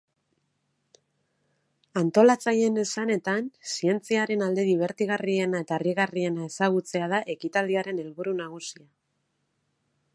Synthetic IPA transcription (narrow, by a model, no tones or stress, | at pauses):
ant̪o̞lat͡saje̞ne̞sane̞t̪ansie̞nt͡siaɾe̞nald̪e̞ðiβ̞e̞ɾt̪iɣ̞arie̞nae̞t̪ariɣarie̞nae̞saɣ̞ut͡se̞að̞aʔe̞kit̪ald̪iaɾe̞ne̞lβuɾunaɣ̞usia